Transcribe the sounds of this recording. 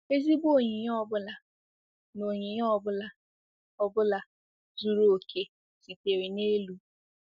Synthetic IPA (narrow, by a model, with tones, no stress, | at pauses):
e˦zi˦bo˦˨ɲi˨ɲ˦ɔ˦bʊ˦la˨ | no˨ɲi˨ɲ˦ɔ˦bʊ˦la˦ | ɔ˦bʊ˦la˨ | zu˨ɾo˨o˨kʰe˨ | si˨te˨ɾi˨ne˦lu˦